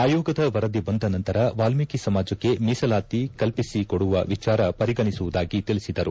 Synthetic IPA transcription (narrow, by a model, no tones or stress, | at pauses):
aːjɔːɡɐd̪ɐʋɐɾɐd̪ibɐnd̪ɐnɐnt̪ɐɾɐʋaːlmikisɐmaːd͡ʒɐkːe̞miːsɐlaːt̪ikɐlpisikoɽuʋɐʋit͡ʃaːɾɐpɐɾiɡɐɳisuʋud̪aːɡit̪ilisid̪ɐɾu